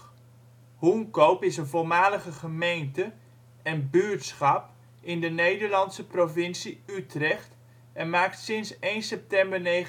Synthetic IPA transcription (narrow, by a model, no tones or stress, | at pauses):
huŋkowpɪsənvolˠmaːləχəχəmejntə | ɛnbyɹtsχɑp | ɪndənejdəɹlɑntsəprovɪnsiytrɛχt | ɛnmaːk̚tsɪnsejnsɛp̚tɛmbəɹne